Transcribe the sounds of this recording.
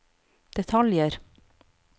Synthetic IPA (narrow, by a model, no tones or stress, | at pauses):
d̪̥ɛt̪ʰɑljəɾ